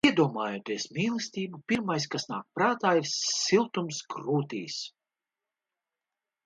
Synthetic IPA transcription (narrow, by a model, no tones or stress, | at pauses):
iɛd̪uɔmaːjut̪iɛsmʲiːlˠɨsʲt̪ʲiːbupʲiɾmajs̬kasna̰ːk̚pɾaːt̪aːiɾsːilˠt̪umsɡɾuːt̪iːs